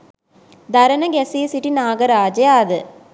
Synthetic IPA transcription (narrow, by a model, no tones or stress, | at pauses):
d̪ɐɾɐnɐɡɛsiːsiʈinaːɡɐɾaːd͡ʒɐjaːd̪ɨ